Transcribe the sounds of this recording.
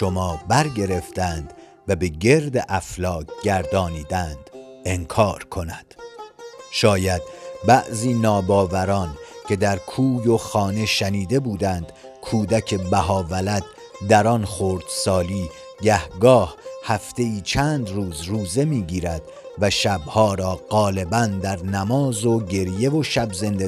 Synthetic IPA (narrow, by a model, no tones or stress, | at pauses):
ʃo̞mɒːbæɾɟe̞ɾe̞ft̪ænd̪ | væbe̞ɟe̞ɾd̪eʔæflɒːkɟæɾd̪ɒːniːd̪ænd̪̥e̞ŋkʰɒːɾkʰo̞næd̪̥ | ʃɒːjæd̪bæʔziːnɒːbɒːvæɾɒːncʰe̞d̪æɾkʰuːjo̞xɒːne̞ʃæniːd̪e̞buːd̪æːnd̪̥ | kʰuːd̪æcʰe̞bæɦɒːvælæd̪ | d̪æɾɒnχoɾd̪̥sɒːliː | ɟæhɡɒːhhæft̪e̞iːt͡ʃʰæːnd̪ɾuːzɾuːze̞miːɟiːɾæd̪̥ | væʃæbhɒːɾɒːɢɒːle̞bænd̪æɾnæmɒːzoɟe̞ɾje̞voʃæbze̞nd̪e